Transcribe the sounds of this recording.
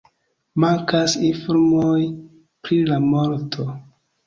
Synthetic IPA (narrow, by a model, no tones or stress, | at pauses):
maŋkasinfoɾmoj | pɾilamo̞ɾtʰo